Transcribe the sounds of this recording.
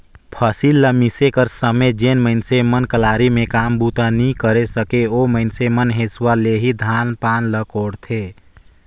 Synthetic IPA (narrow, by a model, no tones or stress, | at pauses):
pʰəsilːəmisekəɾsəmed͡ʒenməɪnsemənkəlaɾimẽkambut̪anikəɾesəkeoməɪnsemənɦeswaleɦid̪ʱanpaːnləkoɽt̪ʰe